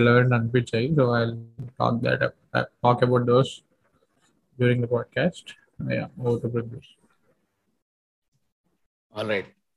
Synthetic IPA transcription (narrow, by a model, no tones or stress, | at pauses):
ɛlɛʋə̃ɳʈɔ̃nɖpit͡ʃeɪsoːaɪlʈɔ̰ːk̚d̪æ̰ʈ | a̰ɪʈɔːkəbaʊʈ̚d̪oːs | ɖjuːɾĩŋɡd̪əpɔːɖ̚kæːsʈ | ja̰oːʋəʈupɾɔɡjus | ɔːlɾaɪʈ̚